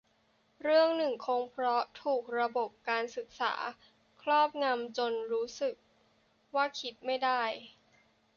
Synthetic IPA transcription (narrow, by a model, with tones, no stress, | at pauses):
ɾɯ˥˩əŋnɯ˨˩ŋkʰoː˧ŋpʰɾɔ˦˥t̪ʰuː˨˩k̚ɾa˧bo˨˩p̚kaː˧nsɯ˨˩k̚sa̰ː˩˦ | kʰlɔː˥˩p̚ŋa˧mt͡ɕo˧nɾuː˦˥sɯ˨˩k̚ | waː˥˩kʰi˦˥t̪̚ma˥˩jdaː˥˩j